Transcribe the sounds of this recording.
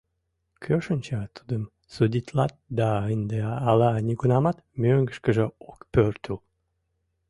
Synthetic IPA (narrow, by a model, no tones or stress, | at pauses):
kʰøʃənʲt͡ɕɑt̪ʰud̪əm | sud̪ʲit̪lɑt̪̚d̪ɑənd̪eɑlɑnʲiɡunɑmɑt̪møŋɡəʃkəʒəokpørt̪ul